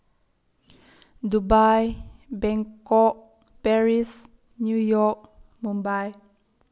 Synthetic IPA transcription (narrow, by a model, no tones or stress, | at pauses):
dubajbɛŋkɔʔ̚ | pɛɾis | nujɔk̚mumbaj